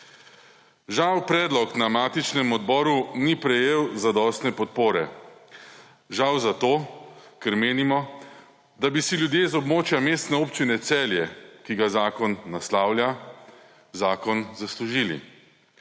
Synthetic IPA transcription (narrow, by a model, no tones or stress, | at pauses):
ʒawpɾɛːd̪lɔknamaːt̪it͡ʃnɛmɔd̪bɔːɾunipɾɛjeːwzad̪ɔːst̪nɛpɔt̪̚poːɾɛ̰ | ʒawzat̪oːkɛɾmeːnimɔ | d̪abisiljud̪jeːzɔbmoːt͡ʃjameːst̪nɛopt͡ʃinɛt̪sɛːljɛkiɡazaːkɔnːaslaːwlja | zaːkɔnzasluʒiːlḭ